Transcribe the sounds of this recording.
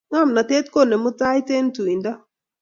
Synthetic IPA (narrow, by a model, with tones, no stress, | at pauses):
ŋa˦˨mna˨te˦t̪ko˦˨ne˨mʊ˦ta˦jte˦ntu˨i˨nda˦